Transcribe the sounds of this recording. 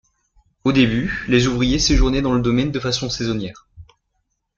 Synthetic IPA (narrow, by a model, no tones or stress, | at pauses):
od̪ebylezuvʁijeseʒuʁnɛd̪ɑ̃ləd̪ɔmɛnd̪əfasɔ̃sɛzɔnjɛːʁ